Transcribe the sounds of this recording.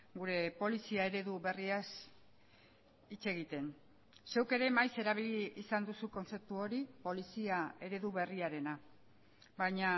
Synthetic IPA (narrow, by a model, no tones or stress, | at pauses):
ɡuɾe̞po̞lisiae̞ɾe̞ðuβe̞rias | it͡se̞ɣ̞it̪e̞n | se̞wke̞ɾe̞majse̞ɾaβ̞iliːsand̪usuko̞nse̞p̚t̪uo̞ɾipo̞lisiae̞ɾe̞ðuβe̞riaɾe̞na | bajɲa